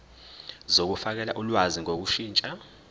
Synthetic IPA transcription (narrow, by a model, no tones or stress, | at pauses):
zok̬ufak̬ɛlaʔulwaziŋok̬uʃiːnt͡ʃʼa